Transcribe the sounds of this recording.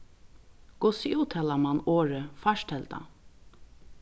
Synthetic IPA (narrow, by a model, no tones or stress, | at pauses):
ɡ̥ɔsiuːt̪ʰɛːlamanoːɹəfaʃtɛlt̪a̰